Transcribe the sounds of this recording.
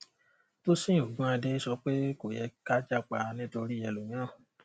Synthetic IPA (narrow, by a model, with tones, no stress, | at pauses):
to˦sĩ˦˨o˨ɡũ˦a˧de˦sɔ˧˦k͡pe˦ko˨jɛ˧ka˦d͡ʒa˦k͡pa˧nĩ˦to˧ɾi˦jɛ˧lu˨j̃ã˦˨